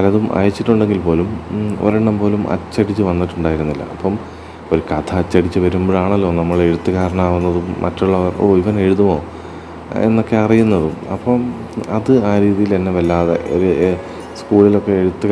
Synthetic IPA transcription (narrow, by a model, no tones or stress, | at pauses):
ɐlɐðumʔɐ̰jɐt͡ɕːiʈːuɳɖe̞ŋɡilpo̞ːlumo̰ɾeɳɖɐmbo̞ːlumʔɐ̰t͡ɕːɐɽit͡ɕːɨʋɐnːiʈːuɳɖaːjiɾunːilːɐ̰ɐpːɐm | oɾukɐt̪ʰɐɐt͡ɕːɐɽit͡ɕːɨʋɐɾumboɻaːɳɐlːo̞ːnɐmːɐɭe̞ɻut̪ːukaːɾɐɳaːʋunːɐðumʔɐ̰tːuɭːɐʋɐrʔo̞̰ːiʋɐne̞ɻuðumo̞ː | e̞̰nːo̞kːe̞ɐrijunːɐðɨɐ̰pːɐmɐðɨaːɾiːðijilt̪ɐnːeʋɐlːaːðḛʔo̰ɾu | skuːɭilo̞kːe̞eɻut̪ːu